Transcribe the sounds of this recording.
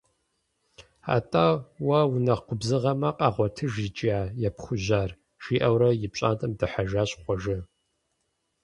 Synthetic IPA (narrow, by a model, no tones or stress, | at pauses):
a̰ːtʼaːwɐwʊnɐqʷʊbzɨʁɐmɐqʼɑːʁʷɔtʰɨʒit͡ʃʼiaːjɛpχʷʊʑaːr | ʒ̥iːʔɐwɾɐjɪpɕʼaːntʼɐmdɨħaʒaːɕʼχʷɔʒɪ